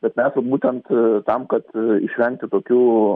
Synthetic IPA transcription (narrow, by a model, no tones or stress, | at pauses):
bʲɛt̪mʲɛsbuːt̪ʲɛnt̪t̪ɐmkɐt̪ɪʃʲʋʲɛŋk̚t̪ʲɪt̪oːkʲuː